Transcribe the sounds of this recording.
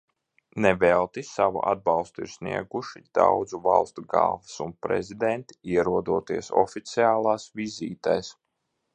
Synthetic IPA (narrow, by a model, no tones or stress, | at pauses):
nɛvɛlˠt̪isavṵʔa̰d̪̚bɑlˠst̪uḭɾsnḭɛɡuʃid̪̥a̰wd̪zuvalˠst̪uɡa̰ːvsunpɾɛ̰zid̪ɛnt̪i̥iɛɾuɔd̪uɔt̪iɛsɔ̰fit̪siaːlˠaːsviziːt̪ajs